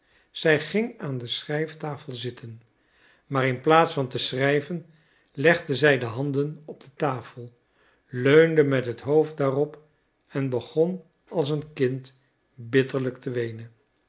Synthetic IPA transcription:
z̥ɛjχɪŋaːndəsrɛjftaːfəlˠzɪtʰən | maːɾɪnplaːtsfɑntəsrɛjvən | lɛχdəzɛjdəɦɑndənɔb̚d̥ətaːfəlˠ | løɥndəmɛtɦətɦowft̚daːrɔp | ɛnbəχɔn | ɑlˠs̬ənkɪnt | bɪtəɹləktʰəʋejnən

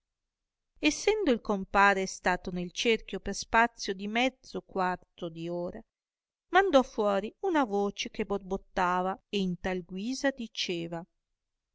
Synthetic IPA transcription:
esːɛnd̪oilkompaːɾest̪aːt̪onelt͡ʃerk̟ʲjoperspat̪sːjod̪imɛd̪zokwart̪od̪ioːɾa | mand̪ɔfːwɔːɾiunavoːt͡ʃekeborbot̪ːaːvaeint̪alɡwiːzad̪it͡ʃeːva

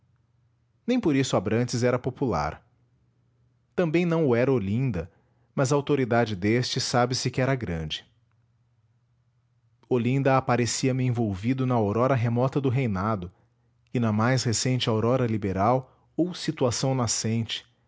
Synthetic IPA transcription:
nẽj̃poɾisʊabɾɐ̃nt͡ʃɪzɛɾɐpopula̰ɾ | t̪ɐ̃mbẽj̃nɐ̃w̃ʊɛɾɐolĩnd̪ɐ | mɐzɐawt̪oɾid̪ad͡ʒɪd̪est͡ʃɪsabɪsɪkɪɛɾɐɡɾɐ̰̃d͡ʒɪ̥ | olĩnd̪ɐːpaɾesiɐmɪẽvowvid̪ʊnɐoɾɔɾɐɦemɔt̪ɐd̪ʊɦejnad̪ʊ | ɪnɐmajshesẽnt͡ʃɪawɾɔɾɐlibeɾaw | owsit̪uasɐ̃w̃nasẽt͡ʃɪ̥

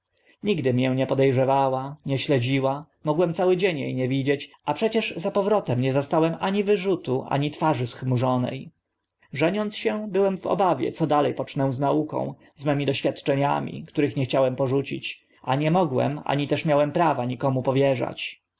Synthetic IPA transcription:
ɲiɡd̪ɘmjɛɲɛpɔd̪ɛjʐɛvawaɲɛɕlɛd͡ʑiwa | mɔɡwɛmt̪sawɘd͡ʑeɲjḛjɲɛvʲid͡ʑɛt͡ɕ | apʂɛt͡ɕɛʐzapɔvɾɔt̪ɛmɲɛzast̪awɛmaɲivɘʐut̪uʔa̰ɲit̪faʐɘsxmuʐɔnɛ̰j | ʐɛɲɔnt̪sɕɛbɘwɛmvɔ̰bavʲjɛ̰t̪sɔd̪alɛjpɔt͡ʂnɛw̃znaukɔ̰̃w̃ | zmɛmʲid̪ɔɕfʲjat̪t͡ʂɛɲamʲḭkt̪uɾɘxɲɛxt͡ɕawɛmpɔʐut͡ɕḭt͡ɕ | ʔaɲɛmɔɡwɛ̰ma̰ɲit̪ɛʂmʲjawɛmpɾavaɲikɔmupɔvʲjɛʐa̰t͡ɕ

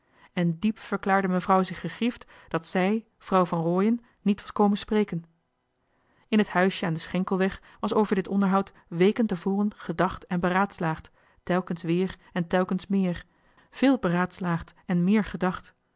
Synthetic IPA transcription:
ɛndipfəɹklaːɹdəməvrɑwzɪχəχrift | d̥ɑtsɛj | v̥rʌwvɑnroːjənː | itʋɑskowmənsprejkən | ɪnɦəthœɥʃjəaːndəsχɛŋkəlˠʋɛχ | ʋɑsowvəɹdɪtɔndəɹɦɑwt | ʋejkəntəvuːrənχədɑχtɛnbəraːtslaːχt | tɛlˠkənsʋɪːrɛntɛlˠkənsmɪːɹ | v̥ɪːlˠbəraːtslaːχtɛnmɪːɹχədɑχt

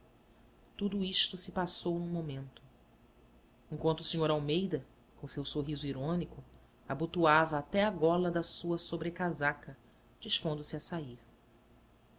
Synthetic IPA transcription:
t̪ud̪uiʃt̪ʊsɪpasownũmomẽnt̪ʊ̥ | ẽkwɐ̃nt̪ʊusiɲoɾawmejd̪ɐ | kõsewsoɦizʊiɾõnikʊ | abut̪uavɐːt̪ɛaɡɔlɐd̪ɐsuɐsobɾekazakɐ | d͡ʒiʃpõnd̪ʊsiɐsaiɾ

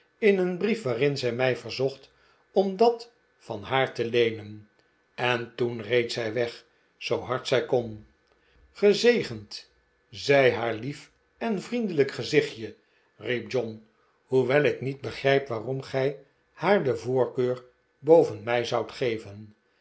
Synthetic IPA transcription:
ɪnənbrifʋaːrɪnzɛjmɛjvəɹzɔχt | ɔmdɑt | fɑnɦaːɹtəlejnən | ɛntunrejtsɛjʋɛχ | sowɦɑɹtsɛjkɔn | χəzejχənt | zɛjɦaːɹlif | ɛnvrindələkχəzɪχjə | rip̚d͡ʒɔn | ɦuʋɛlɪknid̚bəχrɛjpʋaːrɔmχɛj | haːɹdəvʊːɹkøːɹ | bowvənmɛjzʌwtχejvən

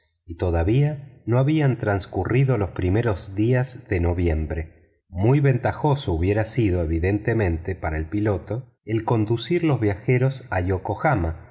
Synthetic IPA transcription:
it̪o̞ðaβiano̞aβiant̪ɾanskuriðo̞lo̞spɾime̞ɾo̞zðiazðe̞no̞βje̞mbɾe | mujβe̞nt̪axo̞souβje̞ɾasið̞o̞eβ̞iðe̞nt̪emẽ̞nt̪epaɾaelpilo̞t̪o̞ | elko̞nd̪usiɾlo̞zβjaxeɾosajokoxama

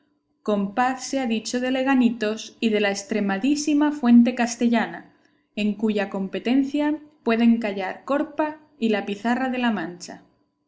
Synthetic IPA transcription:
ko̞mpaθseaðit͡ʃo̞ð̞e̞le̞ɣ̞anit̪o̞siðe̞laest̪ɾe̞maðisimafwe̞nt̪̬e̞kast̪e̞ʎana | e̞ŋkuʝako̞mpe̞t̪e̞n̟θjapwe̞ðe̞ŋkaʎaɾko̞ɾpa | ilapiθaraðe̞lamãnt͡ʃa̰

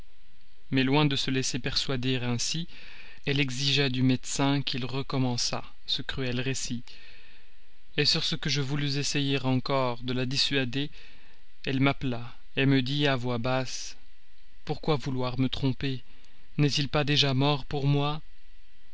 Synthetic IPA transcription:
mɛlwɛ̃d̪əsəlɛsepɛʁsɥad̪eʁɛ̃si | ɛlɛɡziʒad̪ymed̪sɛ̃kilʁəkɔmɑ̃sa̰ | səkχyɛlʁesi | esyʁsəkəʒəvulyzesejiʁɑ̃kɔʁd̪əlad̪isɥad̪e | ɛlmapla | eməd̪iavwabas | puʁkwavulwaʁmət̪χɔ̃pe | nɛt̪ilpad̪eʒamɔʁpuʁmwa

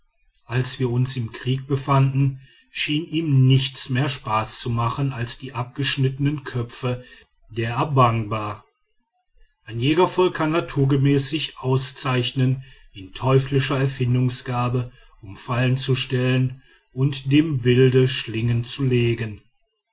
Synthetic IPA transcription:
ʔalsv̥iːɐʊnsɪmkʁ̥iːk̚b̥əfandn̩ | ʃiːniːmnɪçt͡smeːɐʃpaːst͡sumaχənalsd̥iːʔap̚ɡ̥əʃnɪtənənkʰœp͡fə | d̥eːɐʔaɐbaŋbaː | ʔaɪnjeːɡɐfɔlkʰːanːatʰuːɐɡəmɛːsz̥ɪçʔaʊst͡saɪçnənʔɪntʰɔʏflɪʃɐɛɐfɪndʊŋsɡ̥aːbə | ʔʊmfalənt͡suʃtɛlən | ʔʊntdeːmvɪldəʃlɪŋənt͡suleːɡən

